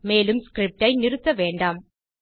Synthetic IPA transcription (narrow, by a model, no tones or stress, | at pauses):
meːlɯmskɾɪp̚ʈɐɪnɪrɯt̪ːɐʋeːɳɖaːm